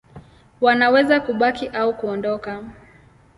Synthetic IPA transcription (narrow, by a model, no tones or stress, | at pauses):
wanawɛzakuɓakiʔaukuɔndɔka